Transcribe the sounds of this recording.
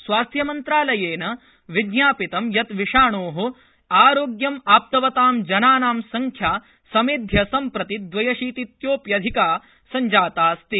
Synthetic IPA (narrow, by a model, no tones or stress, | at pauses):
sʋaːst̪ʰjɐmɐnt̪ɾaːlɐjeːnɐ | ʋiɡjaːpit̪ɐmjɐt̪ʋiʂaːɳoːɦu | aːɾoːɡjɐmaːp̚t̪ɐʋɐt̪aːmd͡ʒɐnaːnaːmsɐŋkʰjaː | sɐmeːd̪ʱjɐsɐmpɾɐt̪id̪ʋɐjɐʃiːt̪it̪joːpjɐd̪ʱikaː | sɐɲd͡ʒaːt̪aːst̪i